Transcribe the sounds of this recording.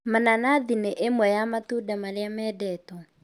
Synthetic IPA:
mananaðineʔemwɛjamatudamaɾeamɛːdɛːtɔ

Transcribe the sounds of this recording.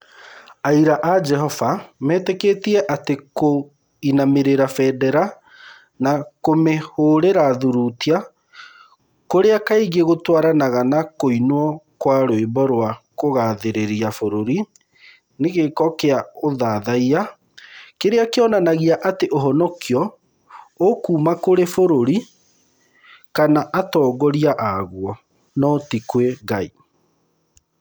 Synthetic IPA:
aiɾaʔad͡ʒɛɦɔvamɛːtɛketiɛʔateko | inameɾeɾafɛdɛɾa | nakomehoːɾeɾaðuɾutia | koɾeakaeɣeɣotwaɾanaɣanakoinwɔkwaɾoembɔɾwakoɣaːðeɾeɾiafoɾoɾi | neɣekɔkeaoðaːðaia | keɾeakeɔnanaɣiaʔateʔoɦɔnɔkjɔ | okuːmakoɾefoɾoɾi | kanaʔatɔːɡɔɾiaʔaɣwɔ | nɔtikweɡai

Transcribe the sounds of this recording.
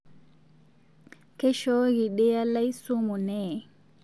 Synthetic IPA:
kɛʃoɡiɗɛjalajsumunɛː

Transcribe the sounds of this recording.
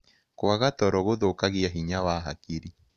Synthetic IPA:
kwaɣat̪ɔɾɔɣoðokaɣjaɦiɲawaɦakiɾi

